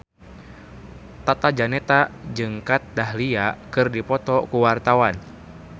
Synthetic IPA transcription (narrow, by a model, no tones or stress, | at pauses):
t̪at̪ad͡ʒanɛt̪ad͡ʒɨŋkat̪̚dahliakɨrdipɔt̪ɔkuwart̪awan